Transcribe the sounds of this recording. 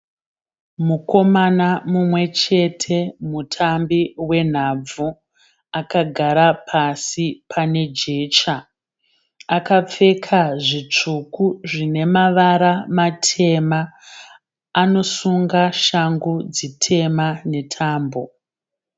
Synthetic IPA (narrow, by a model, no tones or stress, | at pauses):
muko̞manamumwe̞t͡ʃe̞tʰe̞mutʰambiwe̞n̤ab͡vu | akaɡʱaɾapʰasipʰane̞d͡ʒe̞ːt͡ʃa | akap͡fe̞kʰaʐit͡ʂukuʐine̞maʋaɾamatʰe̞ma | no̞suŋɡaʃaŋɡud͡zitʰe̞mane̞tʰaːmbo̞